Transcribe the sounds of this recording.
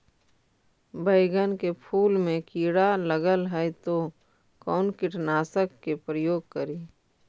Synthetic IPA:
bəɪɡənkepʰuːlmẽkiːɽaləɡəlɦɛjt̪o | kɔːnkɪʈnaːsəkːepɾəjoːɡ̚kəɾiː

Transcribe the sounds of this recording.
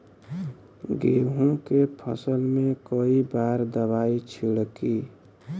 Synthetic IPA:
ɡeɦũkepʰəsəlmẽkoibaɾd̪əβait͡ʃʰilki

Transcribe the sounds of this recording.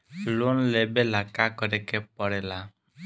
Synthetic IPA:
lonlebelakakɔɾɛkɛpɔɽɛla

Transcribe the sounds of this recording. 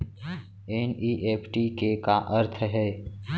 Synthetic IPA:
eːniːʔeːpʰʈikekaʔəɾt̪ʰɦɛː

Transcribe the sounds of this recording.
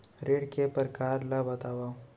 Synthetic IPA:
ɾeːɽkepəɾkaːɾlabɐt̪aːʋa

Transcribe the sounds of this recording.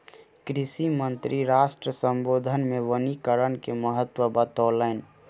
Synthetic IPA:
kɾɪsimənt̪ɾiɾaːsʈɾəsəmbod̪ʱənmeʋənikəɾənkeməɦət̪ːwəbət̪olən

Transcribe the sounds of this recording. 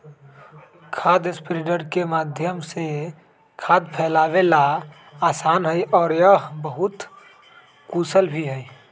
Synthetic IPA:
kʰaːd̪ɪspɾɪɖəɾkemaːd̪ʱjəmse | kʰaːd̪pʰɛːlaːʋela | aːsaːnɦəiʔɔːɾjəbəɦʊt̪ | kuːsəlbʱiɦɛi

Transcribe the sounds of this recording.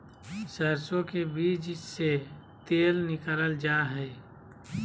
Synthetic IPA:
səɾsõkebiːd͡ʒd͡ʒse | t̪eːlnɪkəɾəld͡ʒaːɦɛː

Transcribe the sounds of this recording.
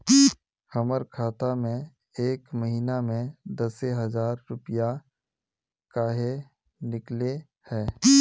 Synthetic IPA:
xəməɾkʰaːt̪amẽ | eːkməɦiːnamẽd̪əseɦəzaːɾːʊpja | kaːɦe | nɪkle | hɛː

